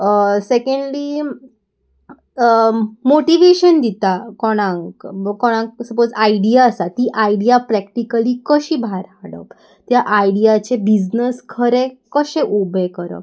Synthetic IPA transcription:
sekẽɳɖliː | moʈiʋeɕənd̪it̪akɔɽ̃ãŋkkɔɽ̃ãŋk̚səpod͡zaiɖijaəsat̪iːʔaiɽijapɾɛkʈikəliːkəɕiːbʱaɾaɽə̰p | t̪jaʔajɽijat͡ɕebid͡ʑnəskʰəɾekəɕẽʔobekəɾə̰

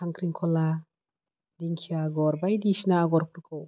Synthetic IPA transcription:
aŋkʰɾiŋkʰɔla | diŋkʰijaɡɔɾbajdisnaːɡɔɾpʰuɾkʰɯw

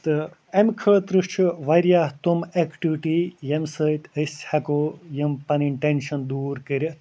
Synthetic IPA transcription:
t̪ɨ | ɐmkʰɐɭt̪ɾɨʂt͡ʃʰuʋɐɾjaːht̪umekʈiʋiʈijɐmsɐt̪ʲəsʲhɐkoːjɐmpɐniɳʈenʃɐnd̪uːɾkɐɾʲɐ

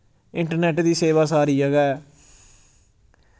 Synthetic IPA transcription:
ɪɳʈəɾnɛːʈd̪iːseːʋaːsaːɾiːəɡɛː

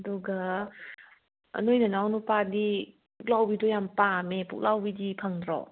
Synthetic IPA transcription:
əduɡa | ə̰nojnanawnupadi | puk̚lawbidɔjampamepṵk̚lawbidipʰaŋdɾɔ̰

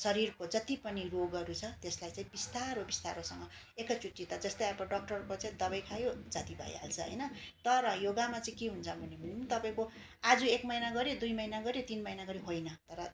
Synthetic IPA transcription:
sʌɾirkod͡zʌt̪ipʌniroɡʌɾut͡sʰʌt̪eslajt͡sãĩbist̪aɾɦobist̪a̰ɾosʌŋɡʌ | ekʌt͡suʈːit̪ʌd͡zʌst̪ʌjapʌɖʌk̚ʈʌrkot͡sãĩd̪ʌbʌjkʰajod͡zʌt̪ibʱʌ̰jɦa̰lt͡sʰʌ̰ɦʌ̰jnʌt̪ʌɾʌjoɡamat͡sãĩkeɦunt͡sʰʌbʱʌnemʱinint̪ʌpaĩko | ad͡zuekmʌjnaɡʌɾjod̪ujmʌjnaɡʌɾjet̪inmʌjnaɡʌɾiɦojnʌt̪ʌɾʌ

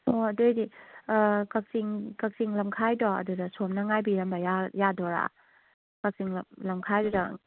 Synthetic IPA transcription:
ɔɐdojdi | kak̚siŋkak̚siŋlɐmkʰajdɔɐ̰dudasomnaŋajbiɾɐmbajajadɔɾa̰ | kak̚siŋlɐmkʰajdɔda

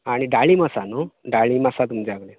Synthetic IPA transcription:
aɽ̃iɖaɭiməsanoɖaɭimasat̪umd͡ʒaɡle

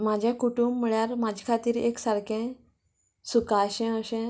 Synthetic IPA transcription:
mad͡ʑʱjãkuʈumːiɭjaɾmad͡ʑʱɛkʰat̪iːɾḛksaɾkʰɛ̃ | sukaɕɛ̃əɕɛ̃

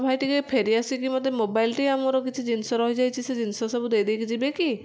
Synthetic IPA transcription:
bʱajʈikepʰeɾiasikimɔd̪ʱemobajlʈijamɔɾɔkit͡ʃʰid͡ʒinsɔɾɔɦid͡ʒajt͡ʃʰised͡ʒinsɔsɔbud̪ejd̪ejkid͡ʒibeki

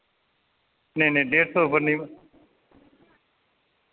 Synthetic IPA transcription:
nenẽːɖeːɖsoːbənːĩː

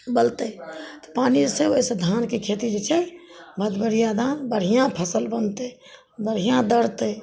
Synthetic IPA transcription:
bəlt̪ət̪ɔ̥paniseosed̪ʱankekʰet̪id͡ʒet͡ʃʰɛbʱəd̪bəɾijad̪anbəɽ̤ijãpʰəsəlbənt̪ɛ | bəɽ̤ijãd̪əɾt̪ə

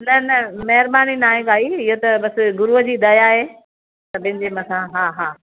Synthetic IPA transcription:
nɐnɐmɐɦɪɾbaːninaːɦẽkaːiɪɦot̪ɐbɐsɡʊɾuɦəd͡ʑiːd̪ɐjaɦe | t̪ɐbɐ̃ɦɪ̃ɲd͡ʑemɐsãɦaːɦaː

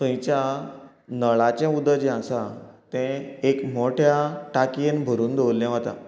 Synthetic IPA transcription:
t̪ə̃j̃t͡ɕja | nəɭat͡ɕɛ̃ud̪əd͡ʑɛ̃ãsat̪ɛ̃ekmoʈʰjaʈakienbʱəɾuːnd̪ewlːɛ̃ʋ̤at̪a̰

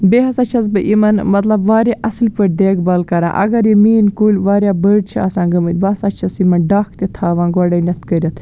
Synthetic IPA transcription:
beːɦɐsɐt͡ʃʰɐzbɨʔimɐnmɐt̪lɐbʋaːɾʲaʔɐslʲpɐɖ̪eːɡbɐlkɐɾã̰ːʔɐ̰ɡɐɾjimiːnkuːlʲʋaːɾʲjaːbəːɖ̚t͡ʃʰia̰ːsãːɡɐmɨt̪ʲbɐsat͡ʃʰɐsimɐnɖaːkʰt̪et̪ʰaːʋãːnɡɔɽɐnʲɐt̪ʰkəɾʲɐt̪ʰ

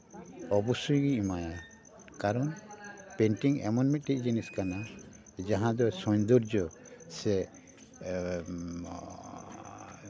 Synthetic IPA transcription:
ɔbusujɡiimaja | kaɾɔnpɛnʈiŋɛ̰mɔnmit̪̚ˀʈiʔ̚ˀd͡ʒiniskana | d͡ʒaɦãd̪ɔsɔ̃ɲd̪uɾd͡ʒɔ | sɛ

